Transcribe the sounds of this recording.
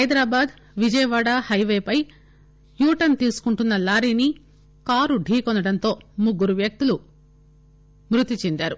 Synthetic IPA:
hɐjd̪ɾaːbaːd̪ | ʋid͡ʒɐjɐʋaːɽaːhɐjʋeːpɐj | juːʈɐnt̪iːsu̥kuɳʈunːɐlaːɾiːni | kaːɾuɖʱiːkɔnɐɽɐnt̪o̞ːmuɡːuɾuʋjɐk̚t̪ulu | mɾut̪it͡ʃend̪aːɾu

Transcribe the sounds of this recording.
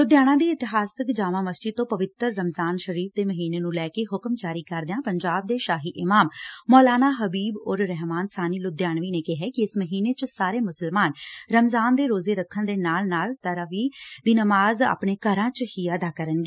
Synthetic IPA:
lʊd̪jaːɽ̃ãːd̪iːɪt̪ɪɦaːsəkd͡ʒaːʋãːməst͡ʃɪt̪õːpəʋɪt̪ɾːəmzaːnʃəɾiːfʰd̪eːməɦiːneːnũːlɛːkeːɦʊkmd͡ʒaːɾiːkəɾd̪eãːpəɲd͡ʒaːb̚d̪eːʃaːɦiːʔɪmaːmːɔːlaːnaːɦəbiːbɔːɾɾɛɦmaːnsaːniːlʊd̪jaːnʋiːneːkeɦɛːkɪɪsməɦiːneːt͡ʃsaːɾeːmʊsəlmaːnɾəmzaːnd̪eːɾoːzeːɾəkʰːənd̪eːnaːlnaːlt̪əɾəʋiːd̪iːnəmaːza̰ːpɳeːkəɾãːt͡ʃhiːəd̪aːkəɾənɡeː

